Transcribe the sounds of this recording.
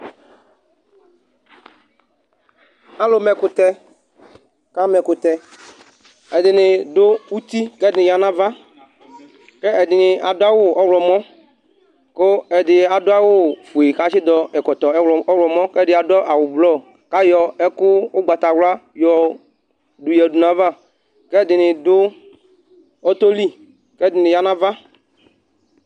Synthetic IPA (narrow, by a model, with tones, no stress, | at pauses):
a˦lo˨mɛ˨kʊ˨t̪ɛ˦ | ka˦mɛ˨kʊ˨t̪ɛ˦ | ɛ˨dɪ˨nɪ˨do˦wu˦t̪i˦kɛ˦dnɪ̃˨ja˨nã˦va˦ | kɛ˦ɛ˨dɪ˨nɪ˨a˨do˦a˦wo˦˨ɔ˦wlɔ˨mɔ̃˦ | ko˦ɛ˨dɪ˨a˨dʊ˦a˦wo˦fu˨e˨ka˦t͡ʃɪ˦d̪ɔ˦ɛ˨kɔ˨t̪ɔ˨ɛ˦wɔ˨ɔ˦wlɔ˨mɔ̃˦kɛ˦dɪ˨a˨dɔ˦ʔa˨wʊ˨blɔ˦ | ka˦jɔ˨ɛ˦kʊ˦wo˦ɡ͡ba˨t̪a˨wla˦jɔ˨ | du˨jɛ˨du˨nã˨va˦˨ | kɛ˦˨d̪ɪ˨nɪ̃˨dʊ˦ | ɔ˦t̪o˦li˦ | kɛ˦˨d̪ɪ˨nɪ̃˨ja˦nã˦va˦